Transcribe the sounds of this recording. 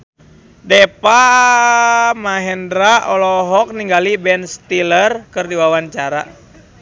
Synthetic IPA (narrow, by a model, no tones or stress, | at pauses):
dɛpa | maɦɛndɾaʔɔlɔɦɔk̚niŋɡalibɛnst̪ilərkɨrdiwawaɲt͡ʃaɾa̰